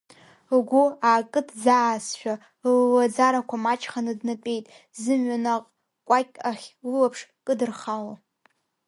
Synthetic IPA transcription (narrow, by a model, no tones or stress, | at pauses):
ɡʷuaːkʼɨtʰd͡zaːsʃᶣa | lwad͡zaɾakʷʰamat͡ʃʼχanɨdnɨpʲʼe̞jtʼ | zɨmɥanaqʼ | kʷʼakʲʼaχʲlɨlapʰʂkʼɨdɨrχalo